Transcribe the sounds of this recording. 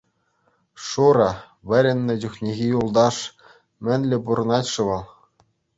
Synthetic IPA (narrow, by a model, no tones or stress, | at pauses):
ʂuɾɑ | ʋʲɘ̆ɾʲɘ̆nʲːɘ̆d͡ʑuxʲnʲeɣʲijulˠd̪ɑʂ | mʲɘ̆nʲlʲɘ̆buɾɤ̆nɑtʲʂɤ̆ʋɤ̆lˠ